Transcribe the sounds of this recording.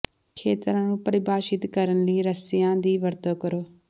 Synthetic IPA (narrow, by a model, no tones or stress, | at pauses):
kʰeːt̪ɾãːnũːpəɾɪbaːʃɪt̪kəɾənləiːɾəsɪjãːd̪iːʋəɾt̪oːkəɾoː